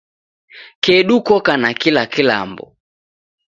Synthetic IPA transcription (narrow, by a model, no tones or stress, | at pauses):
kɛɗukɔkanakilakila̰mbɔ̰